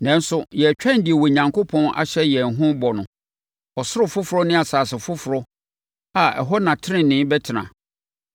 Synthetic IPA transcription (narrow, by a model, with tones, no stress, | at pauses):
nɛ̃˦n˦sʊ˦jɛ˨t͡ɕᶣɛ̃˦n˦dɪ˨ɛ˨wɔ˨ɲã˨ŋkʰo˦pʰɔ̃˦nʔa̰˨ɕɛ˦jɛ˨nɦʊ̃˦bɔ˨nʊ̃˨ | ɔ˨sʊ˦ɾʊ˨fʊ˦fʊ˨ɾɔ˦nɪ̃˦a˨saː˨sɪ˨fʊ˦fʊ˨ɾɔ˦ | a˨ɛ̰˨ɦɔ˦nã˨tʰɪ˦ɪ̃˦˨nɪ̃˦bɛ˦tʰɪ˨nã̰˨